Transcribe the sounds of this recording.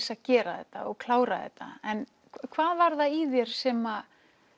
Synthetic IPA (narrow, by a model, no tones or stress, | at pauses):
saðcɛːɾaðɛ̰ht̪ːa̰ɔɣkʰlaːwɾaðɛ̰t̪ːa̰ɛn | kʰvaːðvaɾðaiðjɛɾ̥sɛːma